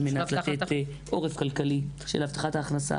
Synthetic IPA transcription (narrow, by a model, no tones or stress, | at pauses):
menat̪lat̪et | ʔo̞ʁefkalkaliʃelhaft̪ḁχat̪aːχnasa̰